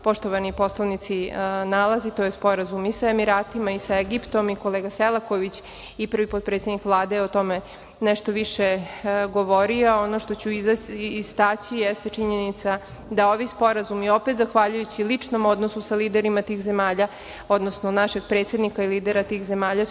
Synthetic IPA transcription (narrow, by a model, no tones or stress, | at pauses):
po̞ʃt̪oʋanipo̞slˠanit̪sinalazit̪ojespo̞ɾazumisaemiɾaːt̪imaisaeɡipt̪o̞miko̞leːɡaselˠako̞ʋit͡ɕ | ipɾr̩ʋipo̞d̪̚pɾet̪sʲed̪nikʋlˠaːd̪eot̪o̞me | neʃt̪oʋiʃeɡo̞ʋo̞ɾioonoʃt̪ot͡ɕuizast̪at͡ɕijest̪et͡ʂiɲenit̪sa | d̪aoʋispo̞ɾazumio̞pet̪zaxʋaʎujut͡ɕilit͡ʂno̞mod̪nosusaliːd̪eɾimat̪iːxze̞maːʎa | o̞d̪nosnonaʃeɡ̚pɾet̪sjed̪nikailiːd̪eɾat̪iːxze̞maːʎa